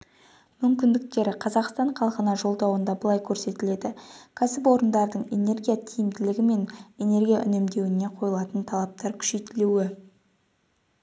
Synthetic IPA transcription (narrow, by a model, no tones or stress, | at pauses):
mʏmkʲɪnd̪ɪk̚t̪e̞ɾɪqʰɑzɑqst̪ɑɴqʰɑlˠqənɑʒo̞lˠd̪ɑwənd̪ɑbəlˠɑjkʲʰɵɾse̞t̪ɪle̞d̪ɪkʲʰæsɪp̬wo̞ɾənd̪ɑɾd̪əɴe̞ne̞ɾɡʲijat̪ʰijɪmd̪ɪlɪɡʲɪme̞ne̞ne̞ɾɡʲijaʔʏ̰nemd̪e̞wɪne̞qʰo̞jəlˠɑt̪ənt̪ʰɑlˠɑp̚t̪ɑɾkʲʰʏ̥ʃe̞jt̪ɪluwɪ